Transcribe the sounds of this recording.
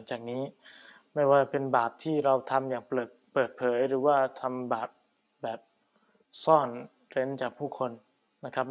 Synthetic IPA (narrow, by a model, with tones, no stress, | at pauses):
ŋt͡ɕaː˨˩k̚niː˦˥ | ma˥˩jwaː˧˩˧pe˧nbaː˨˩p̚t̪ʰiː˥˩ɾa˧wt̪ʰa˧mjaː˨˩ŋpɤː˨˩t̪̚pɤː˨˩t̪̚pʰɤː˩˦jɾɯː˩˦waː˥˩t̪ʰa˧mbaː˨˩p̚ | bɛː˨˩p̚ | sɔː˥˩n | ɾe˦˥nt͡ɕaː˨˩k̚pʰuː˥˩kʰo˧n | na˦˥kʰa˦˥p̚